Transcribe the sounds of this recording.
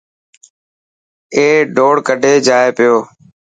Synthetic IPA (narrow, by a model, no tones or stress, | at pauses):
eːɖʱoːɽkəɖʱeːd͡ʒaːeːpɪjoː